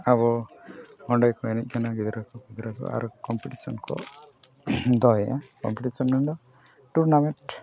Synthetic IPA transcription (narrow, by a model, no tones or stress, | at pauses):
aβɔ | ɔɳɖɔjkɔenɛt̚ˀkʰanaɡid̪ɾakɔɡid̪ɾakɔ̰a̰ɾkɔmpiʈisɔ̰nkɔ̰ | d̪ɔɦjakɔ̰mpiʈisɔnmɛɳɖɔ | ʈuɾnameʈ